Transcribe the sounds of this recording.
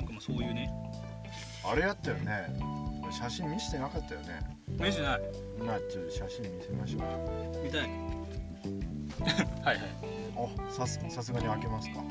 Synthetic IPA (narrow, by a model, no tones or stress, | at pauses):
kamasoːjɯ̟ːne | aɾe̞jat̪ːajo̰ne̞maɕaɕĩmmʲiɕi̥t̪enakat̪ːajone̞̰ | meʑenai | imat͡ɕot̪ːoɕaɕĩmmʲisemaɕo̰ːkamʲit̪aj̪ | haihaĩ | osasɨsas̬ɨɡaɲ̟iake̞masɨ̥ka